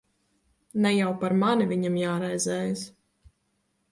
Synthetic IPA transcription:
nɛjawpaɾmanivʲiɲamjaːɾɛjzɛːjs

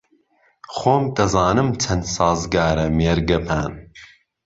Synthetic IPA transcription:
χoːmd̪ɐzɑːnɨmt͡ʃʰɐnsɑːzɡaːɾɐmeːɾɡɐpʰaːn

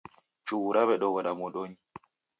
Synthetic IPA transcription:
t͡ʃuːɾaβɛɗɔwɔɗamɔɗoɲi

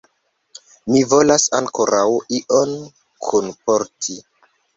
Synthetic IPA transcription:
mivo̞lasaŋko̞ɾʔawiʔon | kʰunpoɾtʰi

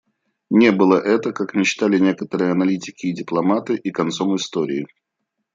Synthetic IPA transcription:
nʲe̞bɨlˠəʔɛt̪əkakmʲɪt͡ɕt̪alʲɪnʲe̞kət̪əɾɨjəɐnɐlʲitʲɪkʲɪːdʲɪplˠɐmat̪ɨʔikɐnt̪so̞mɨst̪oɾʲɪɪ

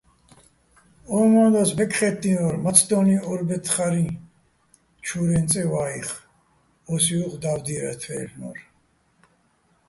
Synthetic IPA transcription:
ɔːmãːd̪asbɛkʰχɛt̪ːinɔɾmat͡sʰd̪ɔːniɔɾbɛt̪ʰχaɾi | t͡ʃʰuːɾɛnt͡sʼɛwaːiχ | ɔsiuqʼd̪awd̪iɾɛ̰t̪ʰwɛ̰ːlnɔ̰ɾ

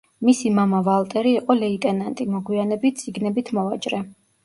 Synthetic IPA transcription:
misimamavalˠt̪ʼɛɾiːqʼɔlɛit̪ʼɛnant̪ʼimɔɡwianɛbit̪̚t̪sʼiɡnɛbit̪ʰmɔat͡ʃʼɾɛ

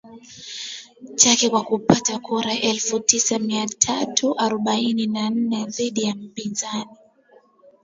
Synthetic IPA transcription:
t͡ʃakɛkwakupatakuɾaʔɛlfutisamiatʰatʰuʔaɾɔɓaininan̩nɛðiɗijam̩pinzani

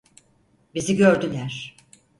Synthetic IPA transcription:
biziɟøɾd̪ylʲæɾ̥

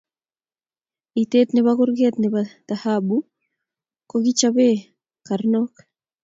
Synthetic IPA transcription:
it̪et̪neβakuɾɡet̪nebad̪̥ahabu | koɣit͡ʃaβe | kaɾnok

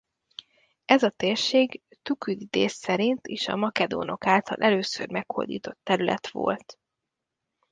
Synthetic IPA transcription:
ɛzɒt̪eːrʃeːɡ | t̪ukyd̪id̪eːsːɛɾint̪eːʃɒ̰mɒkɛd̪o̰ːno̞kaːlt̪ɒlʔɛløːsørmɛkho̰rd̪iːt̪o̞t̪ːɛɾylʔɛt̪ʋo̞̰lt̪

